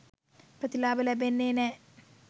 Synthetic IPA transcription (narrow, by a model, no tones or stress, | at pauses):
prɐt̪ilaːbɐlɐbenːeːne